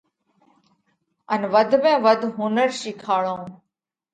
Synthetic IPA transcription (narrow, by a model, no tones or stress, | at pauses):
ənʋəd̪ʱmẽːʋəd̪ʱɦuːnəɾʃɪkʰaːɭõː